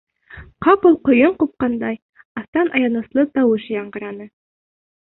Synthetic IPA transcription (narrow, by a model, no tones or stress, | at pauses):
qɑpulˠqŏjɤɴqup̚qɑnd̪ɑj | ɑθt̪ɑnʔɑjɑnɤ̆slˠɤt̪ɑwɤʃjɑɴɢɤ̆ɾɑnɤ